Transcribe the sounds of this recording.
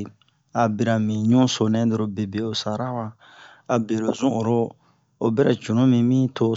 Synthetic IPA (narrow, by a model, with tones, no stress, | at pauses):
a˨bi˨ɾa˨mĩ˨ɲũ˦so˨nɛ̃˦do˨ɾo˨be˨be˨o˨sa˨ɾa˦wa˦ | a˨be˨ɾo˨zũ˦o˨ɾo˦ | o˨bɛ˦ɾɛ˨t͡ʃũ˨nũ˦mĩ˧mĩ˦tʰo˦